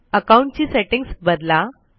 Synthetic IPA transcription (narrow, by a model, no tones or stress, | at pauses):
əkaũɳʈ̚t͡ɕiːseʈiŋɡsbəd̪la